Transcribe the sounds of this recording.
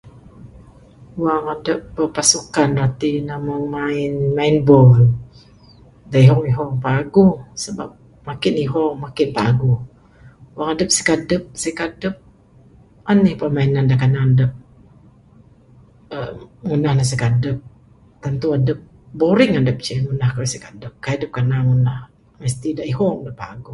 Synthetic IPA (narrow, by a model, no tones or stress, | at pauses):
waŋadəp̚bəpasukanrat̪inamaŋmaɪnmaɪnbɔl | daiɦɔŋiɦɔŋpaɡusəba̰p̚ | makɪniɦɔŋmakɪnpa̰ɡu | waŋadəp̚si̥kadəp̚sikadəp̚ | anihpəmainandakanadəp̚ | əŋunahnas̬əkadəp̚ | t̪ant̪uadəp̚ | boɾɪŋadəp̚t͡ʃəŋunahkaisikadəp̚kaadəp̚kanaŋunah | məst̪idaʔiɦɔŋdapa̰ɡu